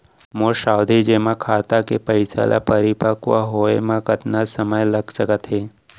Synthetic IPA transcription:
moʃaːwd̪ʱid͡ʒeːmãkʰaːt̪akepɐɪsa̰lʔa̰pəɾɪpakʋaɦoːemãkət̪nasəməjlɐɡsəkət̪ɦeː

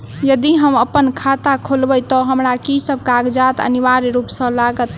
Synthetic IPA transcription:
jəd̪iɦəməpənkʰat̪akʰolbət̪ɔɦəmɾakisəb̚kaɡd͡ʒat̪ə̰niʋaɾɾupsə̃laɡət̪

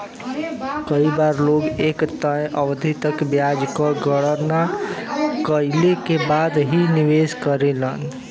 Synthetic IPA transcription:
kəibaɾloɡekt̪əjʔəbd̪ʱit̪əkbjad͡ʒkəɡəɽəna | kəilekebad̪ɦiniʋeskəɾelən

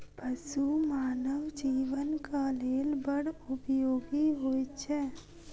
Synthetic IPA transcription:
bʱəsumaːnəwd͡ʒiːʋənkaːleːlbəɽʊpjoːɡiɦoːit͡ʃʰɛː

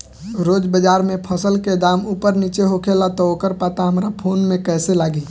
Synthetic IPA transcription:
ɾod͡ʒbəd͡ʒaɾmepʰəsəlked̪amupəɾnit͡ʃeɦokʰelat̪ɔokəɾpat̪aɦəmɾapʰonmekɛːselaːɡi

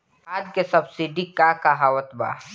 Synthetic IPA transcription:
aːd̪kesɐbsiɖikakaɦaːwət̪ba̰ː

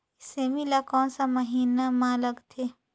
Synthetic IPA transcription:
ɪsemilakɔ̃ːnsamɐɦiːnamãːləɡt̪ʰe

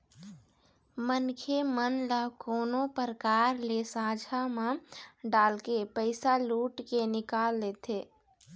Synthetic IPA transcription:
mənkʰemənləkoːnõpəɾkaːɾlesaːd͡ʒʱamãɖaːlkepəɪsaluːʈkenɪkaːlːeːt̪ʰeː

